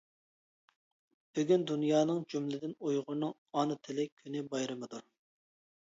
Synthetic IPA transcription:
b̥yɡʲynd̪unjɑːnɨŋd͡ʒumlɪd̪ɪnojʁʊɾnɨŋ | ɑnɨt̪ʰɪlɪkʲʰːynɪbɑjɾɨmɨd̪uɾ

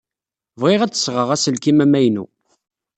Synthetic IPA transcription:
vʁɪʁæt͡sːə̥sʁəʁæsəlkimæmæjnṵ

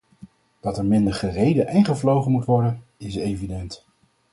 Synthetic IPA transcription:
dɑtɛɹmɪndəɹχərejdəʔɛŋχəvlowχənmutʋɔɹdənɪs̬ejvidɛnt

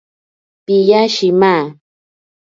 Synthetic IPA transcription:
pijaʃɪma

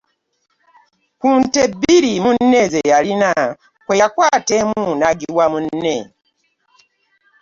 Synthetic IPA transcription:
kuntebiɾimun̩ːezejalina | kwejakwatemunaɡiwamun̩nːe

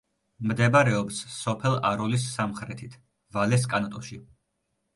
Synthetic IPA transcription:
md̪ɛbaɾɛɔpsːɔpʰɛlˠaɾɔlisːamχɾɛt̪ʰit̪ʰ | valɛs̬kʼanat̪ʼɔʃi

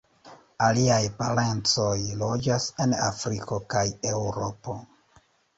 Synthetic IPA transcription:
aliajpale̞nt͡so̞jlo̞d͡ʒasena̰fɾiko̞kaje̞wɾo̞po̞

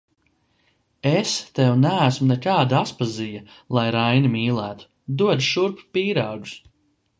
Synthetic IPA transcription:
est̪ɛwnæːsmunɛkaːd̪aspazija | lˠajɾajnimiːlˠæːt̪u̥ | d̪uɔd̪ʃuɾppiːɾawɡu̥s

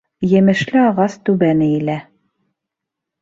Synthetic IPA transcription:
jɘ̆mɘ̆ʃlɘɑʁɑst̪ʉβænɘilæ

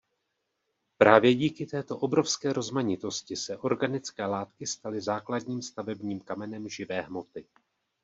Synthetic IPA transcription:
pɾaːvjɛɟiːkɪt̪ɛːt̪o̞ʔo̞bɾo̞fskɛːɾo̞zmaɲɪt̪o̞scɪsɛʔo̞ɾɡanɪt͡skɛːlaːt̪kɪst̪alɪzaːkladɲiːmst̪avɛbɲiːmkamɛnɛmʒɪvɛːɦmo̞t̪ɪ

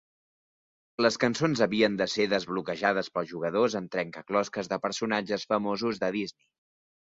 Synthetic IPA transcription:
ləskənsonzəβiənd̪əseðəzβlukəʒað̞əspəlˠzʒuɣəðozənt̪ɾɛŋkəklɔskəzðəpəɾsunad͡ʒəsfəmozuzðəðizni

